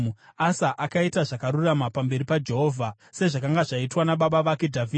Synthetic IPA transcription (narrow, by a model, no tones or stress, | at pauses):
asaʔakaitaʐakaɾuramapambe̞ɾipad͡ʒe̞ɦo̞ːvʱa | se̞ʐakaŋɡaʐaitwanaɓaɓaʋakedʱavʱiː